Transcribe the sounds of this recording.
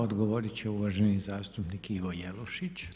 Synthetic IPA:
od̪ɡoʋoɾit͡ɕeuʋaʒenizaːst̪upnikiʋojelˠoʃit͡ɕ

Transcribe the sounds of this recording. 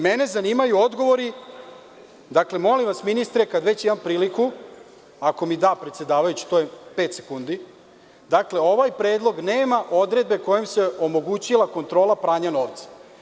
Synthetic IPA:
mene̞zaniːmajuo̞d̪ɡo̞ʋo̞ɾi | d̪akle̞mo̞limʋasminist̪ɾekad̪ʋe̞t͡ɕimampɾiːliku | ako̞mid̪aːpɾe̞t̪se̞d̪aːʋajut͡ɕi̥t̪ojepe̞ːt̪sekund̪i | d̪akle̞o̞ʋajpɾe̞ːd̪lˠo̞ɡneːmaʔo̞d̪ɾe̞d̪̚be̞ko̞jemse̞o̞mo̞ɡut͡ɕilˠako̞nt̪ɾoːlˠapɾaːɲano̞ːʋt̪sḁ

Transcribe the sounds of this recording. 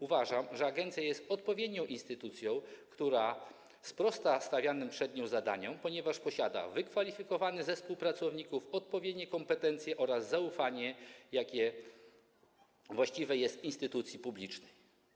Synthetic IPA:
uvaʐamʐɛaɡɛnt̪sʲjajɛst̪ɔt̪̚pɔvʲjed̪ɲɔ̃w̃ʔinst̪ɘt̪ut̪sʲjɔ̃w̃kt̪uɾa | spɾɔst̪ast̪avʲjanɘmpʂɛd̪ɲɔ̃w̃zad̪a̰ɲɔ̃w̃pɔɲɛvaʂpɔɕad̪a̰vɘkfalʲifʲikɔvanɘzɛfspuwpɾat̪sɔvɲikufɔt̪̚pɔvʲjed̪ɲɛkɔmpɛt̪ɛnt̪sʲjɛʔɔɾazːaufaɲɛjakʲɛ | vwaɕt͡ɕivɛjɛst̪inst̪ɘt̪ut̪sʲjipublʲit͡ʂnɛj

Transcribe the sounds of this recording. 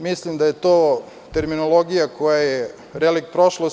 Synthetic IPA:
mislimd̪ajet̪oː | t̪e̞ɾminolˠo̞ɡijakojaje | ɾelikpɾoʃlos

